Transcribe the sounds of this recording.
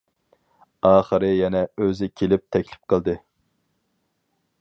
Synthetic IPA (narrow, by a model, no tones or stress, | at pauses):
ɑːχəɾɨjɛnɛøzɪkʲʰelɪp̚t̪ʰɛkʲlɪ̥p̚qʰəlˠd̪ɨ